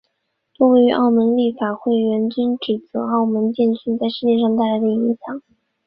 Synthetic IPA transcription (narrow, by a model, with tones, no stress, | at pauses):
to˥˧we˥˧ɪy˧˥ʔɑ˥˩ʊmə˧˥nli˥˩fa˨˩xwe˥˩ɪɥɛ˧˥nt͡ɕy˥nʈ͡ʂɻ̩˨˩t͡sɤ˧˥ɑ˥˩ʊmə˧˥nt͡ɕjɛ˥˧nɕy˥˧nt͡sa˥˧ɪʂɻ̩˥˧t͡ɕjɛ˥˧ʂɑ˥˧ŋt̪a˥˩ɪla˧˥ɪd̪ə˧i˧˥ŋɕjɑ˨˩˦ŋ